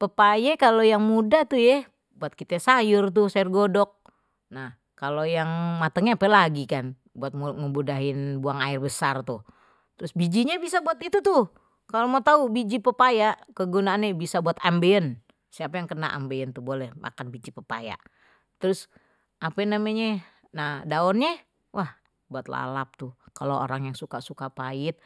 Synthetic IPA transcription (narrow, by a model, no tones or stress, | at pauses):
pəpajɛkalojaŋmudat̪ujɛ | buat̪̚kit̪ɛsajʊrt̪̬usaʊrɡodɔk̚ | nah | kalojaŋmat̪əŋɲaːpɛlaɡikan | buat̪̚ŋəmbudaɦɪnbuaŋaɪrbəsart̪u | t̪əɾʊsbid͡ʒiɲabisabuat̪it̪ut̪u | kalomot̪aubid͡ʒipəpajaʔkəɡunaːnɲabisabuat̪ambeən | siapajaŋkəna̰ʔa̰mbeənt̪ubolɛhmʔa̰kanbid͡ʒipəpa̰ja̰ʔ | t̪əɾʊs | ʔapɛnamaɲa | nahdaɔnɲa | wʔah | buat̪̚la̰lap̚t̪ukaloo̰ɾaŋjaŋsukasukapaɪt̪̚